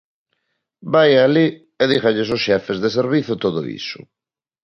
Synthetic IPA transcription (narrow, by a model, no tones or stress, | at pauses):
bajali | eðixaʎesosʃɛfezðeseɾβiθjʊt̪oðʊ̰ḭsʊ̥̰